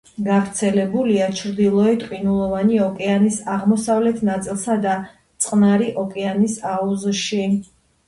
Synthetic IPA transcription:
ɡavɾt̪sʰɛlɛbuliat͡ʃʰɾd̪ilˠɔɛt̪ʼqʼwinulˠɔvaniɔkʼɛanisaʁmɔsavlɛt̪ʰnat̪sʼilˠsad̪a | t̪sʼqʼnaɾiʔɔkʼɛanisauzʃi

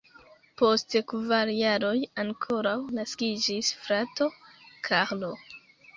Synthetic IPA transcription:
po̞stkvaɾjaɾo̞jaŋkʰo̞ɾawnaskid͡ʒisfɾato̞kʰaɾlo

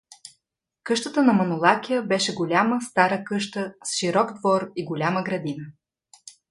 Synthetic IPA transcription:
kɤʃt̪ət̪ənɐmɐnolˠakʲijəbɛʃɛɡolʲaməst̪aɾəkɤʃt̪əsʃiɾɔɡd̪vɔɾiɡolʲaməɡɾɐd̪inə

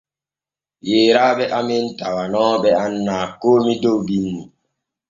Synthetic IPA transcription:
jeːɾaːɓɛʔamintawanɔːɓɛanːaːkoːmidowbinːi

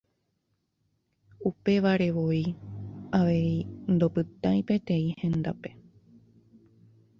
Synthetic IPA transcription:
upe̞ʋaɾe̞ʋoiaʋe̞ind̪opɨt̪ãĩpe̞t̪ẽ̞ĩhẽ̞nd̪ape̞

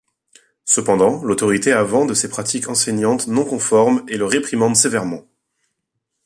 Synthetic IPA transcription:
səpɑ̃d̪ɑ̃lot̪ɔʁit̪eavɑ̃d̪əsepχat̪ʰikʰɑ̃sɛɲɑ̃t̪nɔ̃kɔ̃fɔʁmeləʁepχimɑ̃d̪sevɛʁmɑ̃

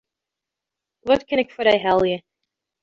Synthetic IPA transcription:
wʌt̚kʰɨ̃nɨkfəɾaɪɦɛlˠjɨ

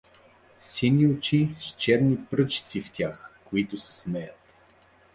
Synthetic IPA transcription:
sinʲiʊt͡ʃiʃt͡ʃɛɾnipɾɤt͡ʃi̥t̪sift̪ʲaxkoit̪ʊsɛ̥smɛjət̪

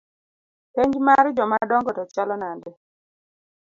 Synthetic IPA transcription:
peɲd͡ʒmaɾd͡ʒɔmadɔŋɡɔtɔt͡ʃalɔnandɪ

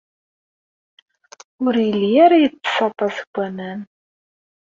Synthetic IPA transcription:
ʊɾjəlːijaɾajət͡sːsɑt̪ˤːɑsə̥ɡʷːænæn

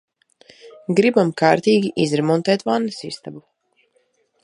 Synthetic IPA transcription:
ɡɾibamkaːɾt̪iːɡʲiʔizɾɛmɔnt̪ɛːt̪vanːəsist̪abu

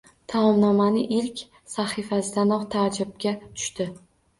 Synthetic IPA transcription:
t̪ʰamɒmnɒmanɪʔɪlkʲ | saχifasɪd̪anɒχt̪ʰad͡ʒab̚kʲat̪ʰʊ̥ʃt̪ɪ

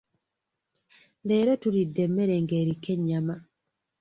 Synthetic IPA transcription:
leːɾotuɾidːemːeɾeŋɡeɾikːeɲːama

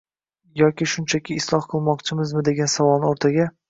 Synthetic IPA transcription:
jɒkʲɪʃʊnt͡ʃʰakʲʰɪːslˠɒhqʰɨlˠmɒqt͡ʃʰɪmɪzmɪd̪e̞ɡʲansavɒlˠnɪoɾt̪ʰaɡʲa

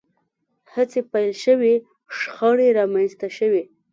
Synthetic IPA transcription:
hət͡sepajlʃəwi | ʂxɑɽeɾɑmanst̪aʃəwi

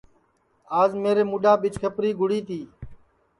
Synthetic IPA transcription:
aːzmeːɾeːmʊɗaːɓɪt͡ʃkʰəpɾiːɡʱʊɽiːt̪ʰiː

